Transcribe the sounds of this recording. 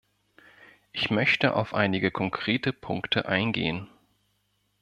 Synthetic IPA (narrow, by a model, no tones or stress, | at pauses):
ʔɪçmœçtəʔa̰ʊfʔa̰ɪnɪɡəkʰɔŋkʁ̥eːtəpʰʊŋktʰəʔaɪnɡḛːən